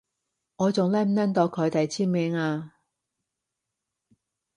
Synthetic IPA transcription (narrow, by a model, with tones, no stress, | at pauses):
ŋɔː˨˧t͡sʊ˨ŋlɛ˥m̩˨nɐ˥nt̪ɔː˨˧kʰɵ˨˧t̪ɐ˨jt͡sʰiː˥nmeː˧ŋaː˧